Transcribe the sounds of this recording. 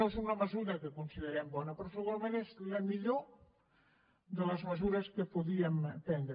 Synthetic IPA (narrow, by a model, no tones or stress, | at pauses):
osunəməzuɾəkəkunsiðəɾɛmbɔnəpɾɔsəɣualmẽnezləmiʎo | d̪ələzməzuɾəskəpuðiəmt̪ɛnd̪ɾ